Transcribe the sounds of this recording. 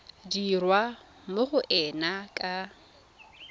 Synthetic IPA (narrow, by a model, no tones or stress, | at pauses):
dirwa | moχʊʔɛnakʼa